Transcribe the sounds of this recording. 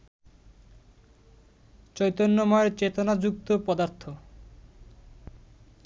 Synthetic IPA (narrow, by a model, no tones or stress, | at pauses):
t͡ɕɔjt̪onːomɔeɾt͡ɕet̪onad͡ʑuk̚t̪opɔd̪aɾt̪ʰːo